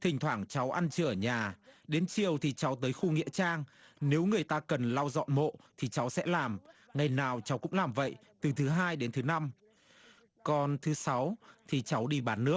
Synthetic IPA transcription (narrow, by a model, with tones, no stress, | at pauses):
t̪ʰï˨˩ŋ̟t̪ʰwaː˧˩ŋt͡ɕa˨˦wʔa˧nt͡ɕɨ˧˨ə˧˩ɲaː˨˩ɗe˨˦nt͡ɕi˨˩əwt̪ʰi˨˩t͡ɕa˨˦wt̪əː˨˦jxu˧ŋḭ˧˥ət͡ɕaː˧ŋne˨˦wŋɨ˨˩əjt̪aː˧kə˨˩nlaː˧wzɔ̰˧˨nmo̰˧˨t̪ʰi˨˩t͡ɕa˨˦wsɛ̰˧˥laː˨˩m | ŋa˨˩jnaː˨˩wt͡ɕa˨˦wkʊ̰˧˥ŋ͡mlaː˨˩mvə̰˧˨jt̪ɨ˨˩t̪ʰɨ˨˦ɦaː˧jɗe˨˦nt̪ʰɨ˨˦na˧m | kɔ˨˩nt̪ʰɨ˨˦sa˨˦wt̪ʰi˨˩t͡ɕa˨˦wɗi˧ɓaː˨˦nːɨ˦˥ək̚